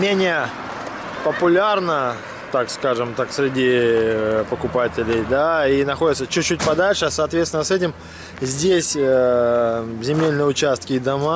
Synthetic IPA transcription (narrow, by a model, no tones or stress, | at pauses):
mʲenʲɪjə | pəpʊlʲarnə | t̪akskaʐɨmt̪aksʲɾʲɪdʲi | pəkʊpatʲɪlʲɪjd̪ainɐxo̞dʲɪt̪sət͡ɕʉːut̚ʲpɐd̪alʲʂɨasəaːt̪vʲet̪t̪ʲɪnəsɛtʲɪm | zʲdʲesʲə | zʲɪmʲelʲnɨjʊt͡ɕast̪̚kʲɪːd̪ɐma